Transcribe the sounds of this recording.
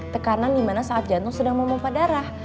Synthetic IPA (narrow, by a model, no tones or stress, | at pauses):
t̪əkanandimanasaʔat̪̚d͡ʒant̪ʊŋsədaŋməmapadaɾah